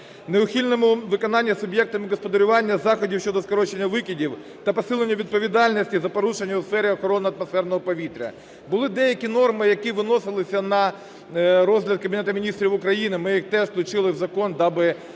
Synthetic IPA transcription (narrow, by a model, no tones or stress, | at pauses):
neʊxʲilʲnɔmʊʋɪkɔnɑnʲːɐsʊbʲjɛk̚t̪ɐmɪɡɐspɐd̪ɐɾʲʊʋɑnʲːɐzɑxɔdʲiwʃʲt͡ʃɔd̪ɔskɐɾɔt͡ʃenʲːɐʋɪkʲidʲiw | t̪ɐpɐsɪlˠenʲːɐʋʲid̪̚pɔʋʲid̪ɑlʲnʲɐsʲtʲizɐpɔɾuʃenʲːɐʊsfɛɾʲɪɔxɔɾɔnɪɐt̪mɐsfɛrnɔɦɔpɐʋʲit̪ɾʲɐ̰ | bʊlˠɪd̪ɛjɐkʲinɔrmɪjɐkiʋɪnɔsɪlˠɪsʲɐnɐ | ɾɔzɦlʲɐd̪̚kɐbʲɪnɛt̪ɐmʲɪnʲist̪ɾʲiʋʊkɾɐjinɪmɪjixt̪ɛʒk̪lˠʊt͡ʃɪlˠɪwzɐkɔnd̪ɑbɪ